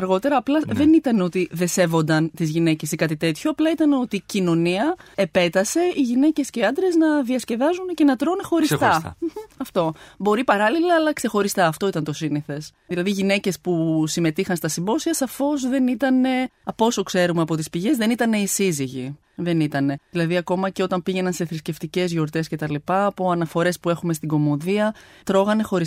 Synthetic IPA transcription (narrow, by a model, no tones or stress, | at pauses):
ɐɾɣo̞t̪e̞ɾɐːplɐðe̞nit̪ɐneo̞t̪iðe̞se̞vo̞nd̪ɐnt̪izʝine̞ce̞sikɐt̪it̪e̞t̪çoɐplɐit̪ɐno̞t̪icino̞niɐepe̞t̪ɐse̞iʝine̞ce̞sceiɐnd̪ɾe̞znɐðiɐsce̞ðɐzunce̞nɐt̪ɾonexo̞ɾisst̪ɐ̰ɐft̪o̞bo̞ɾipɐɾɐlilɐːlɐkse̞xo̞ɾist̪ɐːft̪o̞it̪ɐnt̪o̞siniθe̞s | ðilɐðiʝine̞ce̞spusime̞t̪ixɐnst̪ɐsimbo̞siɐsɐfo̞zðe̞nit̪ɐne̞ɐpo̞so̞kse̞ɾumeɐpo̞t̪ispiʝe̞zðe̞nit̪ɐne̞isiziʝi | ðe̞nit̪ɐne̞ilɐðiɐko̞mɐce̞o̞t̪ɐmpiʝe̞nɐnse̞θɾisce̞ft̪ice̞zʝo̞ɾt̪e̞scet̪ɐlipɐːpo̞ɐnɐfo̞ɾe̞spue̞xume̞st̪iɡo̞mo̞ðiɐt̪ɾo̞ɣɐne̞xo̞ɾis